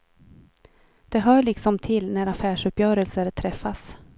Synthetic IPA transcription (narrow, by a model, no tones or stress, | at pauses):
d̪̥ɛɦœːɭɪksɔmt̪ʰɪlːnæɾafæːʂɵpːjœːɾəlsəɾt̪ʰɾɛfːas